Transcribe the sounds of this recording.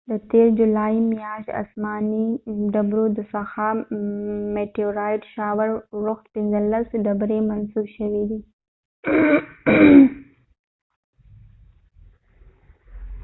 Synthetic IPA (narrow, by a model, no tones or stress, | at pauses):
d̪ət̪eːɾd͡ʒulaːimjaːʃt̪a̰smɑniɖabɾod̪əsaxa | meʈioɾaːɪɖʃaːwəɾɾʊxt̪̚pinzələsɖɐbɾemɐnsubʃəwid̪i